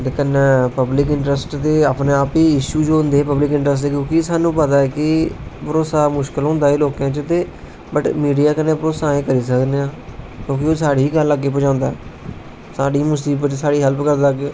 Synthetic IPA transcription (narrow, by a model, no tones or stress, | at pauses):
t̪ekənːeːpəblɪkɪɳʈɾəsʈt̪eːaːpneːaːpiːɪʃuːd͡ʒoːʊnd̪eːpəblɪkɪɳʈɾəs̬ʈt̪eːkjõːkɪsaːnũːpət̪aːɛːkɪbəɾoːsaːmʊʃkəlɦõːnd̪aːeːloːkãːt͡ʃət̪eː | bəʈmiːɖijaːkənːẽːpəɾoːsãːẽːkəɾiːsəkd̪eːãːkjõːkɪoːsaːɽiiːɡəlːaɡːeːp̬əd͡ʒãːnd̪aːɛː | saːɽiːmʊsiːbət͡ʃsaːɽiːɦəlpkəɾd̪aɡː